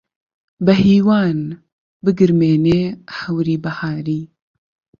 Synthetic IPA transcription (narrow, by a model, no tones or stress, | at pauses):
bɐɦiːwaːn | bɨɡɨɾmeːneːħɐwɾiːbɐhaːɾiː